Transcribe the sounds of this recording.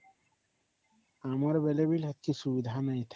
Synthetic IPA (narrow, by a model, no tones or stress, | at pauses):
amɔɾbelebilat̪̚kisubid̪ʱanajt̪ʰ